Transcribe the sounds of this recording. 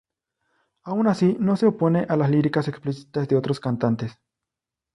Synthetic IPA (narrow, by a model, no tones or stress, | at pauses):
aunasino̞se̞oponeʔalasliɾikaseksplisi̥t̪azðeot̪ɾoskant̪ant̪es